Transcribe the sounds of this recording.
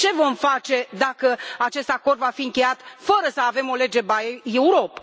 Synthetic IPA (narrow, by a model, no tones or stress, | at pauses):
t͡ʃe̞vo̞mfat͡ʃe̞d̪akəat͡ʃe̞st̪ako̞rd̪vafiɨŋkʲe̞jat̪fəɾəsəave̞mo̞le̞d͡ʒe̞bajeuɾo̞p